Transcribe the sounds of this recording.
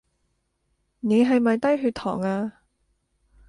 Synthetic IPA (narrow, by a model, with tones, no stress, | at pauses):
ne˨˧jɦɐ˨jmɐ˨jt̪ɐ˥jɦyː˧t̪ʰɔ̰ː˨˩ŋaː˧